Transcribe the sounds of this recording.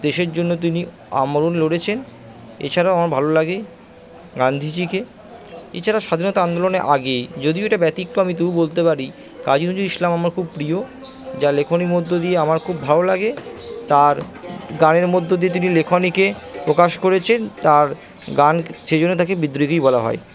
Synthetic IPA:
d̪eʃeɾd͡ʑonːot̪̬ini | a̰moɾoneloɽet͡ɕʰen | ḛt͡ɕʰaɾaamaɾbʱalolaɡe | ɡand̪ʱit͡ɕike | ḛt͡ɕʰaɾaʃad̪ʱinɔt̪aand̪oloneɾʔaɡejd͡ʑod̪ioeʈabɛt̪ik̚ʈoamit̪̬ububolt̪epaɾi | kad͡ʑinod͡ʑuɾiʃlamamaɾkʰub̚pɾio | d͡ʑalekʰonimod̪ʱːod̪ieamaɾkʰubbʱalolaɡet̪aɾɡaneɾmod̪ʱːod̪iet̪̬inilekʰonikepɾokaʃkoɾet͡ɕʰent̪aɾ | ɡanʃed͡ʑonːet̪ʰakebid̪ːɾikojbɔlaɦɔ̰e

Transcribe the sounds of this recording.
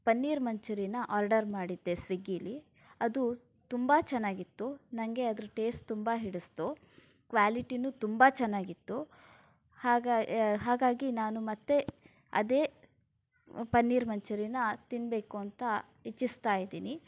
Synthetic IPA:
pɐnːiːɾmɐɲt͡ʃɐɾinɐʔaːɾɖɐɾmaːɽid̪ːesʋiɡili | ɐd̪u | t̪umbɐt͡ʃɛnːaːɡit̪ːunɐŋɡe̞ɐd̪ɐɾuʈe̞ːsʈt̪umbɐɦiɽust̪u | kʋaːliʈinut̪umbɐt͡ʃɛnːaːɡit̪ːu | haːɦaːɡaːɡinaːnumɐt̪ːe̞ | ɐ̰d̪eː | pɐnːiːɾmɐɲt͡ʃɐɾinɐt̪inbe̞ːkuɐnt̪ɐ | et͡ʃːist̪aːjid̪iːni

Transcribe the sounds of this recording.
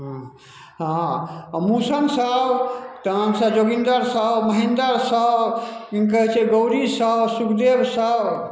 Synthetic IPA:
ɦ | ɦãmusənsəbt̪ansəbd͡ʒoɡind̪əɾsəbməɦind̪əɾsəbikəɦɛt͡ʃʰɛɡəwɾisəbsukʰd̪ebsəb

